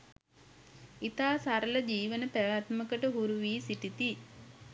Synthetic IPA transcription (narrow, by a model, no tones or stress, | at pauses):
it̪aːsaɾələd͡ʒiːʋənət̪əʋat̪məkəʈəɦuɾuʋiːsit̪it̪i